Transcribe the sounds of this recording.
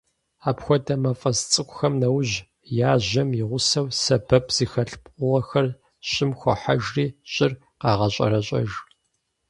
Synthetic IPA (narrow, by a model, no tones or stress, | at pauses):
aːpxʷɔdɐmɐfʼɐst͡sʼɨkʷʼʊxɐmnɐwʑ | jaːʑɐmɪʁʷʊsɐwsɐbɐpʰz̥iːxɐɬpʼʊʁɐxɐr | ɕʼɪmxʷɔ̰ħaʒriːɕʼɪr | qɑːʁɐɕʼɐ̰ɾɐɕʼɐ̰ʒ